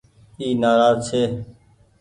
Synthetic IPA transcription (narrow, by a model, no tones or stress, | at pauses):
iːnaːɾaːzt͡ʃʰeː